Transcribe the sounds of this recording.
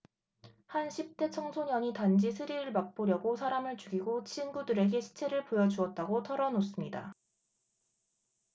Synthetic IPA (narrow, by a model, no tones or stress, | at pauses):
hanɕʰip̚t͈e̞t͡ɕʰʌŋsʰoɲʌɲitand͡ʑisʰɯɾiɾɯɭmak̚p͈oɾjʌɡosʰaɾamɯɭt͡ɕuɡiɡot͡ɕʰinɡudɯɾe̞ɡe̞ɕʰi̥t͡ɕʰe̞ɾɯɭpojʌd͡ʑuʌt̚t͈aɡotʰʌɾʌnos͈ɯmɲida̰